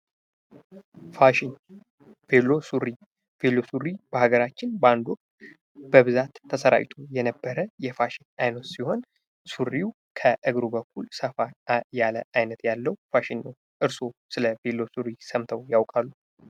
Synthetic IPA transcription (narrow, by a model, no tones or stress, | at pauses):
faʃin | velosuɾi | velːo̞suɾːib̥əhaɡəɾat͡ʃːɪnband̪ok̪ | b̥əβɨzat̪ʰːəsəɾa̰wt̪ʰujɛnəbːəɾəjɛfaʃɪnajnət̪siho̞n | suɾiu | kʰəʔɨɡɾubəkʰːulsəfajalə̰ʔajnət̪jalːəwfaʃɪnːəw | ʔɨɾso̞sɨləvelːo̞suɾisəmt̪ʰəwjawkʼalːu